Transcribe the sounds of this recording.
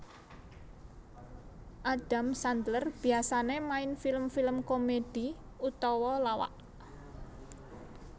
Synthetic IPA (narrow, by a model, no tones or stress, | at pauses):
ʔaɖ̥a̤msand̪lərb̥iasanemaɪnfiləmfiləmkomed̥i̤ | ut̪ɔwɔlawa̰ʔ